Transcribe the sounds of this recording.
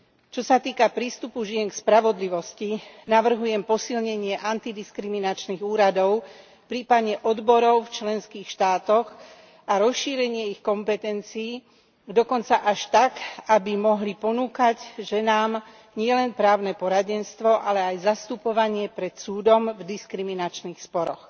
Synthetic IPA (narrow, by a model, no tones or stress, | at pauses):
t͡ʃɔsat̪iːkapɾiːst̪upuʒɪɛŋkspɾaʋɔd̪liʋɔscinaʋr̩ɦujɛmpɔsilɲɛɲɪɛʔant̪id̪iskɾiminat͡ʃniɣuːɾad̪ɔʊ | pɾiːpad̪ɲɛʔɔd̪bɔɾɔʊft͡ʃlɛnskiːxʃt̪aːt̪ɔɣ | ʔaɾɔsʃiːɾɛɲɪɛixkɔmpɛt̪ɛnt͡siː | d̪ɔkɔnt͡saʔaʃt̪akabimɔɦlipɔnuːkaɟʒɛnaːm | ɲɪɛlɛnpɾaːʊnɛpɔɾaɟɛnst̪ʋɔʔalɛajzast̪upɔʋaɲɪɛpɾɛt̪suːd̪ɔmvd̪iskɾiminat͡ʃnixspɔɾɔx